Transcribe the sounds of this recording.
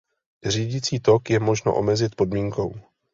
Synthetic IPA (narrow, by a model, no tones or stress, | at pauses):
r̝iːɟɪt͡siːt̪o̞kjɛmo̞ʒno̰ʔo̞̰mɛzɪt̪̚po̞dmiːŋko̞̰w